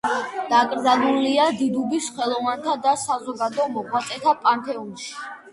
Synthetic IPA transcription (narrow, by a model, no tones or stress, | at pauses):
d̪̥aɡʼɾd̪zanuliad̪id̪ubisχɛlˠɔvant̪ʰad̪asazɔɡad̪ɔmɔʁwat̪sʼɛt̪ʰapʼanp̪ʰɛumʃi̥